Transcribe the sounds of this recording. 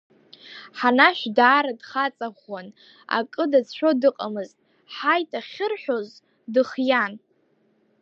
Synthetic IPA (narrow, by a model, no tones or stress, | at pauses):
ħanaʃᶣʷdaːɾadχat͡sʼaʁan | a̰kʼɨdat͡sʰʃʷᶣo̞dɨqʼamɨztʼ | ħajtʼaχʲɪrħʷᶣoz | dɨχjan